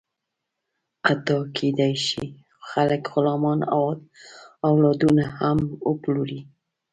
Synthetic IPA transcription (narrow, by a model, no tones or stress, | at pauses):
at̪ɑkʰed̪ajʃḭ | xaləkɣʊlɑmɑnawɑd̪awlɑd̪unahaməploɾi